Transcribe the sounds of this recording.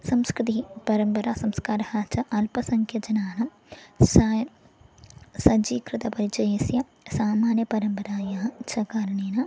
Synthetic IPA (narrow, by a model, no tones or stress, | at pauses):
sɐmskɾɪt̪ipɐɾɐmpɐɾaːsɐmskaːɾɐhɐt͡ʃɐʔɐlpɐsɐŋkʰjɐd͡ʒɐnaːnɐ | sa | sɐd͡ʒiːkɾɪt̪ɐpɐɾit͡ʃɐjsjɐ | saːmaːnjɐpɐɾɐmpɐɾaːjaːɐt͡ʃʰɐkaːɾɐɳeːnɐ